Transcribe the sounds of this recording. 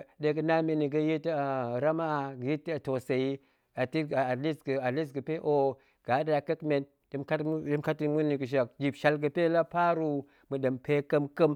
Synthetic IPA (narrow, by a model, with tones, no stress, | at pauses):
de˨ɡə˦na˦me˨ni˨ɡə˦ji˦ta˨ɾa˦ma˦˨ji˦tto˨se˨ji˦ | a˨ti˦˨a˨li˦sɡə˨a˨li˦s̬ɡə˨pe˦ʔo˨ | ɡ̥a˨˦da˨kə˦kme˨n | də˦mka˦ə˦m˦ka˦ti˦mu˦ni˨ɡə˨ʃ̬a˨k̚d͡ʒi˨bʃa˦lɡə˨pe˦la˦pa˦ɾu˦ | mɨ˨də˨mpe˦kə˦mkə˦m